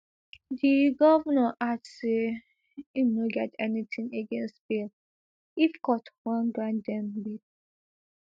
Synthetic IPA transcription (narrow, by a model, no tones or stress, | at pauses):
diɡɔvɔnaʔadse | unoɡɛtɛnitʰĩŋeɡɛ̃nstb̥il | ifkɔtwãnɡɹãndɛ̃mbid